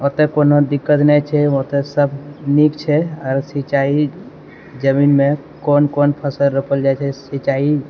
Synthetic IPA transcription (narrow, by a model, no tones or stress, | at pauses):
ot̪ekonod̪ikːət̪nɛt͡ʃʰɛot̪esəbʱnikt͡ʃʰɛɔɾsit͡ʃai | d͡ʒəminmẽ | konkonpʰəsəlɾəpʰəld͡ʒat͡ʃʰɛsit͡ʃai